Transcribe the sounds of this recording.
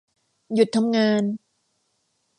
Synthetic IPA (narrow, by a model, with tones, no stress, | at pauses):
ju˨˩t̪̚ʰːa˧mŋaː˧n